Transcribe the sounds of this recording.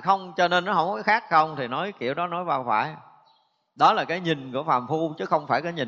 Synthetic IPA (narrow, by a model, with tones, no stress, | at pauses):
xə˧wŋ͡mt͡ɕɔ˧ne˧nːɔ˨˦ɦə̰˧˩wkɔ˨˦xaː˦˥k̚xə˧wŋ͡mt̪ʰi˨˩nɔ˨˦jkḭ˧˩˨əwɗɔ˨˦nɔ˨˦jvaː˧wxwa̰ː˧˩j | ɗɔ˨˦laː˨˩kaː˨˦jɲi˨˩ŋ̟kṵ˧˩əfaː˨˩mfu˧t͡ɕɨ˨˦xə˧wŋ͡mfaː˧˩jkaː˨˦jɲï˨˩